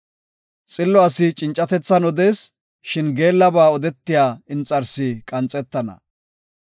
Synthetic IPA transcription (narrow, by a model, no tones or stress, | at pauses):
t͡sʼɪlːɔɐsɪt͡ʃʼɪnt͡ʃʼːɐt̪ɛt͡sːɐnɔd̪e̞ːs | ʃɪnɡe̞ːlːɐbaːɔd̪ɛt̪ːɪjaːɪnt͡sʼɐɾsɪkʼɐnt͡sʼːɛt̪ːɐnɐ̰